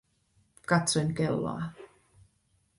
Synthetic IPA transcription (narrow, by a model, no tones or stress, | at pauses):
kɑt̪sonkelːɑ̰ː